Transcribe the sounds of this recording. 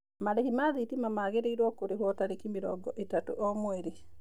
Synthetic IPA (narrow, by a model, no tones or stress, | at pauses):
malekimaðitimamaːɣeɾeiɾwɔkoɾehwɔtaɾekimiɾɔ̰ɡɔʔetato̰ʔomweɾi